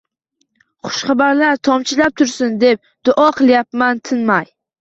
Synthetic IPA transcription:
χʊ̥ʃχabaɾlaɾt̪ʰɒmt͡ʃʰɪlap̚t̪ʰʊɾsɪnd̪e̞p̚ | d̪̥ʊʔɑɒqʰɨlˠjapmant̪ʰɪnmaj

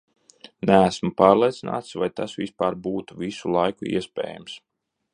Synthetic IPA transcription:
nææsmupɑːɾlˠiɛt̪sina̰ːt̪svajt̪asvispaːɾbuːt̪uvisulˠajkuḭɛspʲɛ̰ːja̰ms

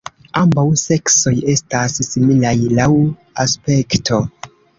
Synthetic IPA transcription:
ambawse̞kso̞je̞stasːimilajlaw | aspe̞ktʰo̞

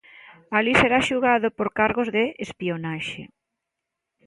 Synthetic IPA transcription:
aliseɾaʃuɣaðopoɾkaɾɣozðeespionaʃḛ

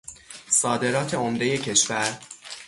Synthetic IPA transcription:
sɒːd̪e̞ɾɒːt̪ʰe̞omd̪e̞je̞cʰe̞ʃvæɾ

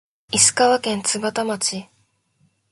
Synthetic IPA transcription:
isɨ̥kaβakẽ̞nt͡sɨbat̪amat͡ɕi

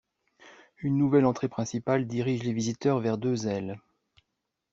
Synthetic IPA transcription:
ynːuvɛlɑ̃t̪χepχɛ̃sipald̪iʁiʒlevizit̪œʁvɛʁd̪øzɛl

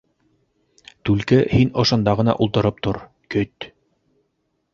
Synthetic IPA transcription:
t̪ʉlkɘhinŏʃɤ̆nd̪ɑʁɤ̆nɑ̰ʔulˠt̪ɤ̆ɾɤp̚t̪oɾ | kɵt̪

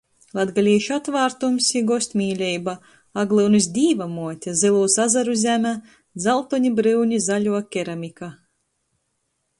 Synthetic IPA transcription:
lˠad̪ɡalʲiːʃat̪vaːɾt̪umsiɡɔsʲt̪ʲmʲiːlʲɛjba | aɡlˠɨwnɨs̬d̪ʲiːvamuɔt̪ʲazilˠuːsazaɾuzʲæmʲæ | d̪zalˠt̪ɔɲibɾɨwɲʲizalʲuɔkʲɛɾamʲika

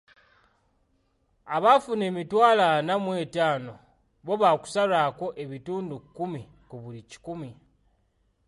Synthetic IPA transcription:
aβafune̞ːmitwaːlanamwe̞ːtaːno̞ | βo̞βaku̥saɾako̞ʔeβituːndukumi | kuβulici̥kumi

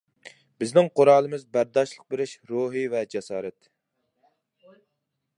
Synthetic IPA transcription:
bɪznɪŋqʰoɾɑːlˠɨmɪzbæɾd̪ɑʃlˠə̥q̚beɾɪʃɾoɦivɛd͡ʒɛsɑːɾɛt̪

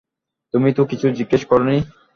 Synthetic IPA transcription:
t̪umit̪okit͡ɕʰud͡ʑiɡːeʃkɔɾoni

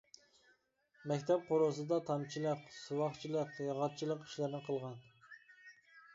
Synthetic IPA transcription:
mɛkʲt̪ʰɛp̚qʰoɾosɨd̪ɑt̪ʰɑmt͡ʃʰilˠəqsuwɑχt͡ʃʰilˠəqjɑʁɑt̪̚t͡ʃʰilˠəqi̥ʃlɨɾnɨqʰəlˠʁɑn

